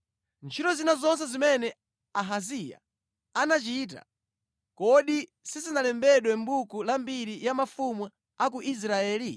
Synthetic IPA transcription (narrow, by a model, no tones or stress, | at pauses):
nt͡ʃʰitɔzinazɔns̬ɛzimɛnɛ | aɦazija̰ | anat͡ʃit̬a̰ | kɔɗi | sizinalɛmbɛɗwɛm̩bukulambiɾijamafumwu | ak̬uʔis̬ɾaɛːli